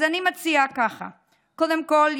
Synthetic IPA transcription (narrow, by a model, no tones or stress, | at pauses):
animat͡siakaχa̰ | kod̪emkolj